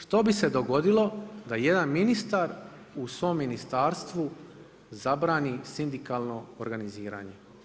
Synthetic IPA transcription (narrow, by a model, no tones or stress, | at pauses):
ʃt̪o̞bise̞d̪o̞ɡo̞d̪ilˠo̞d̪aje̞d̪anminist̪aɾ | usʋo̞ːmːinist̪aːɾst̪ʋu | zabɾaːnisind̪ikalˠno̞oɾɡaniziːɾa̰ːɲe